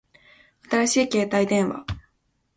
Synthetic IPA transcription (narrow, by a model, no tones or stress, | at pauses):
at̪aɾaɕiːke̞ːt̪aid̪ẽ̞ɰ̃βa̰